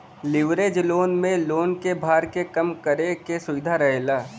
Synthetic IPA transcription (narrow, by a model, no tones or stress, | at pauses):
lɪʋɾeːd͡ʒloːnmẽloːnkebʱaːɾkekɐmkəɾekesʊʋɪd̪ʱaɾɐɦelaː